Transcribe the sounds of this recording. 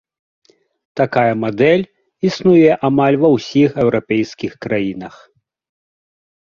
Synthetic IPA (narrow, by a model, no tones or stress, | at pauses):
t̪akajɐmad̪ɛlʲ | isnujɛʔamalʲvɐwsʲixɛwɾapʲɛjskʲixkɾajinɐx